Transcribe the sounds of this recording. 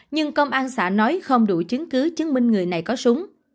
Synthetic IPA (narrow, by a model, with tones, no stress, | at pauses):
ɲɨ˧ŋkə˧wŋ͡mʔaː˧nsa̰ː˧˩nɔ˨˦jxə˧wŋ͡mɗṵ˧˩t͡ɕɨ˨˦əŋkɨ˨˦t͡ɕɨ˨˦ŋmï˧ŋ̟ŋɨ˨˩əjna˨˩jkɔ˨˦sʊ˨˦ŋ͡m